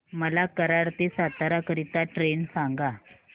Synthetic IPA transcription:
məlakəɾaɾt̪esat̪aɾakəɾit̪aʈɾensãŋɡa

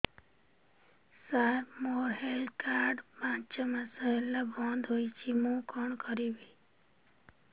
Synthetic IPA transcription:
saɾmoːɦelkaːɾɖpãːt͡ʃmãsəɦelːabɔ̃ːnd̪ʱɦoit͡ʃʰimũːkɔɳkəɾibi

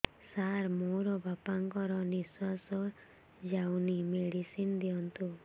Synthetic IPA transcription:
saɾmoɾɔbapaŋkɔɾɔniswasɔ | d͡ʒawnimeɽisind̪iɔnt̪u

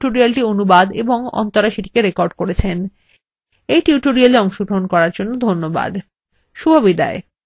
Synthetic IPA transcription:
oɾialʈionubad̪eboŋɔ̰nt̪oɾaʃiʈi̥keɾekɔɾɖkoɾet͡ɕʰen | ejʈuʈoɾialeɔŋʃoɡɾoɦonkɔɾaɾd͡ʑonːod̪ʱonːoba̰d̪ | ʃubʱabid̪a̰e

